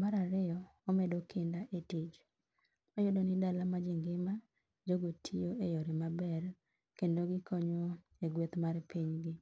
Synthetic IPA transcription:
maɾaɾɪɔɔmɛdokʰɪndaʔetid͡ʒ | majodonɪdalamad͡ʒɪŋɡɪma | d͡ʒoɡotʰijoʔejoɾɪmabɛr | kendoɡɪkʰɔɲo | eɡwet̪marpiɲɡɪ

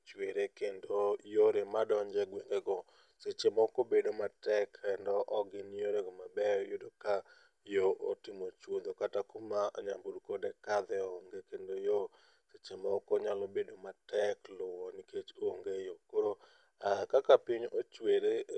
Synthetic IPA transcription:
t͡ʃweɾekendojoɾemadɔɲd͡ʒɛɡweŋɡeɡɔ | set͡ʃemɔkobedomatɛkɛndɔʔɔɡɪnjoɾeɡɔmabɛɔjodoka | joʔotɪmot͡ʃwod̪okatakumaa̰ɲambudkodekad̪ɛoŋɡekendojo | set͡ʃemɔkɔɲalobedomatɛklʊwɔniket͡ʃoŋɡejokoɾo | akakapɪɲot͡ʃweɾe

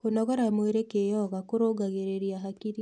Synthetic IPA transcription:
onɔɣɔɾamweɾekejɔɣakoɾoɡaɣeɾeɾiaɦakiɾi

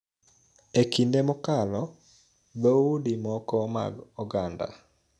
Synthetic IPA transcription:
ekindemɔkalɔ | d̪oudimɔkɔma̰ɡɔɡanda̰

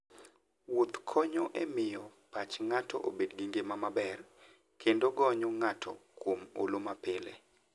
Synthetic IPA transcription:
wot̪kʰɔɲoʔemɪjɔpat͡ʃŋatɔ̰ʔo̰bedɡiŋɡemamabɛr | kʰendoɡɔɲoŋatʰɔ̰kwomo̰lomapɪlḛ

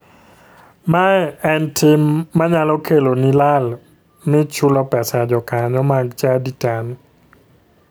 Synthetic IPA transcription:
majɛntʰimːaɲalɔkʰelonilal | mit͡ʃʰulɔpɛsad͡ʒɔkaɲɔmak̚t͡ʃaditan

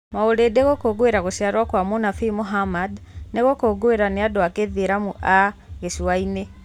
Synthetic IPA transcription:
maoɾedeɣokoɡoeɾaɣosiaɾwakwamonafimoɦamadneɣokoɡoeɾaneadoakeðieɾamuʔaɣesuwaine

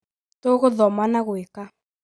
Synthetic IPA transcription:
toɣoðɔmanaɣweka

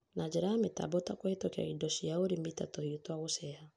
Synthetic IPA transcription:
nad͡ʒɛɾameta̰bɔtakweetɔkɛa̰idɔʃiaoɾemitatɔhiotwaɣosɛha

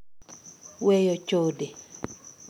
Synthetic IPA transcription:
wejɔt͡ʃode

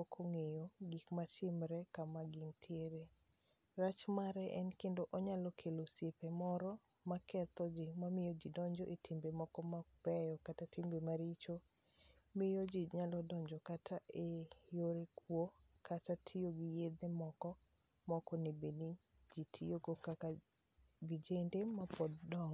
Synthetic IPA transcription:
ɔkʰoŋejoɡikmatʰɪmɾɛkamaɡintʰjeɾe | ɾat͡ʃmaɾɛʔɛnkendoʔoɲalɔkʰelosjepemɔɾɔmakʰɛt̪ɔd͡ʒɪmamɪjɔd͡ʒidɔɲd͡ʒɔʔetʰɪmbemɔkɔmab̥ɛjɔkatatɪmbemaɾit͡ʃo | mɪjod͡ʒiɲalɔdɔɲd͡ʒɔkatʰaʔejoɾekwokʰatatʰioɡijed̪emɔkɔmɔkɔnebenid͡ʒitʰijoɡokaka | ɡid͡ʒendemapɔddɔŋ

